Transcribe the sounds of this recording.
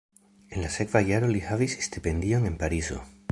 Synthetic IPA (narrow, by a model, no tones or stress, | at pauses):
e̞nlase̞kvajaɾolihavise̥st̪epe̞nd̪io̞ŋe̞npaɾizo̞̰